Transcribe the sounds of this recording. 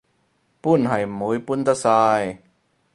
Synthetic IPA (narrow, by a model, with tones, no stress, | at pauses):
pu˥˨nɦɐ˨˩jmu˨˦jpu˥˨nt̪a˥saː˧j